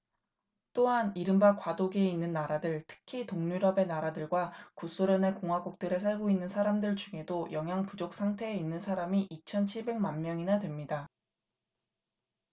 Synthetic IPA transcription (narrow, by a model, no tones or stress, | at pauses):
t͈oɦaniɾɯmbakwadoɡeinːɯnːaɾadɯɭtʰɯ̥kʰitoŋɲuɾʌbe̞naɾadɯɭɡwakus͈oɾjʌne̞koŋɦwaɡuk̚t͈ɯɾe̞s̬ʰaɭɡoinːɯnsʰaɾamdɯɭt͡ɕuŋe̞dojʌŋɦjaŋpud͡ʑok̚s͈ʰaŋtʰe̞ːinːɯnsʰaɾamiʔit͡ɕʰʌnt͡ɕʰiɭbe̞ŋmanmjʌŋinadwe̞mɲida